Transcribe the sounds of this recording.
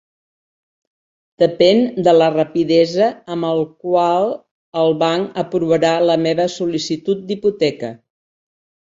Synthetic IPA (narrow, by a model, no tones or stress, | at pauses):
d̪̥əpɛnd̪ələrəpiðɛzəːməlˠkwalˠ | əlˠβaŋəpɾuβəɾaləmeβəsulisit̪ut̪̚d̪iput̪ɛkə